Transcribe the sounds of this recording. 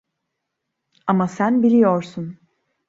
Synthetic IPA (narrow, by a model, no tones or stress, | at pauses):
amasænbilʲijoɾsun